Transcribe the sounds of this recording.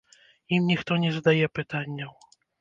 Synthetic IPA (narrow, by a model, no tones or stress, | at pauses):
imɲʲixt̪ɔɲʲɛzd̪ajɛpɘt̪aɲʲːɔ